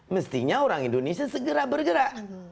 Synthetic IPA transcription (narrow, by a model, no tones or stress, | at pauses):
məst̪iɲaoɾaŋindonesiasəɡəɾabərɡəɾaʔ